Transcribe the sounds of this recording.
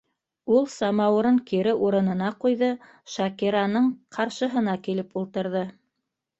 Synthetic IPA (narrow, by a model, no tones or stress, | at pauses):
ulˠsɑmɑw̆ɾɤɴkiɾɘʔuɾɤ̆nɤ̆nɑqujðɤ | ʃɑkiɾanɤɴqʰɑɾʃɤ̆ɦɤ̆nɑkilɘpulˠt̪ɤ̆ɾðɤ